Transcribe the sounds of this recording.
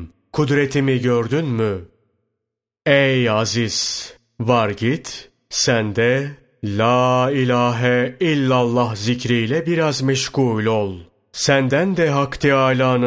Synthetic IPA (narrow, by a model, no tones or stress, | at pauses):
kʰud̪ɾet̪ʰimiɟøɾd̪ynmy | ejaziz̥ | vaɾɟit̪ | sænd̪ɛ | lʲaːilʲaːɦɛilʲːalˠːaɦzicɾijlʲɛbiɾazmɛʃɡuːlʲolˠ | sænd̪ænd̪ɛɦakt̪ʰiajlʲˠaːnɯ